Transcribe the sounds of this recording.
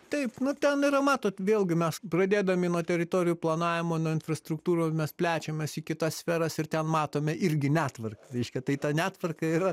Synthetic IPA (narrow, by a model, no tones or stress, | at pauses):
t̪ɐɪpnʊt̪ʲɛnɪɾɐmɑːt̪oːt̪ʋʲeːlˠɡʲɪmʲɛsprɐd̪ʲeːd̪ɐmʲɪnuɔt̪ʲɛɾʲɪt̪oːɾʲɪjuːplˠɐnɑːʋʲɪmoːnuːɪnfrɐst̪ɾʊkt̪uːɾoːsmʲɛspʲlʲæːt͡ʃʲɛmʲesikʲɪt̪ɐssʲfʲɛːɾɐsɪrt̪ʲɛnmɑːt̪oːmʲɛʔɪɾʲɡʲɪnʲæːt̪ʋɐrkɐɾʲɛɪʃʲkʲɛt̪ɐɪt̪ɐnʲæːt̪ʋɐrkɐiːɾɐ